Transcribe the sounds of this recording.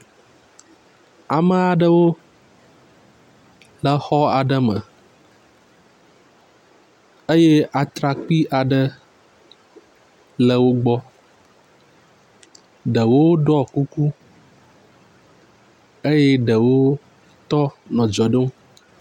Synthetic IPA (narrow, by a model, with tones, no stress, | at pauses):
a˨mə̃˦a˨ɖə˦wo˦ | lə˨xɔ˦a˨ɖə˦mə̰˨ | ə˦je˦ʔa˨t̪ɾa˨k͡pi˦ʔa˨ɖə˦ | lə˨wo˦ɡ͡bɔ˦ | ɖə˨wo˦ɖɔ˦ku˦ku˦ | e˦je˦ɖə˨wo˦ | t̪ɔ˦nɔ̃˨d͡ʒɔ˨ɖə˦ŋũ˦